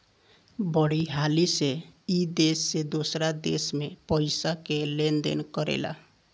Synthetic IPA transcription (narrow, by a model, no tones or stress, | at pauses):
bəɽiɦaliseid̪esːed̪osɾad̪ḛsmepəɪsakelend̪ḛnkəɾḛla̰